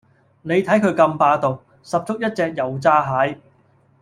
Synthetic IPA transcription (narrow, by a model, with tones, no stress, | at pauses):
ne˨˧jt̪ʰɐ˨˥jkʰɵ˨˧ɥkɐ˧mpaː˧t̪o˨˩w | sɐ˨p̚t͡sʊ˥k̚jɐ˥t̚t͡sɛː˧k̚jɐ˨wt͡saː˥ɦaː˨˥j